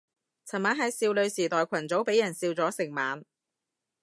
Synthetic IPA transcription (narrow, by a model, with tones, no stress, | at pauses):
t͡sʰɐ˨˩nmaː˨˥ɦɐ˨˧jsiː˧wlɵ˨˧ɥsiː˨˩t̪ɔː˨jkʷʰɐ˨˩nt͡so˨˥wpe˨˥jɐ˨˩nsiː˧wt͡sɔː˨˥sɪ˨˩ŋmaː˨˧n